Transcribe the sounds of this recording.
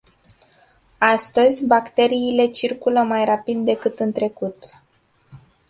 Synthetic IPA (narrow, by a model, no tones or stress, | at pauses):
ast̪əzʲbakt̪e̞ɾiːle̞t͡ʃirkuləmajrapid̪̚ːe̞kɨt̪ɨnt̪ɾe̞kut̪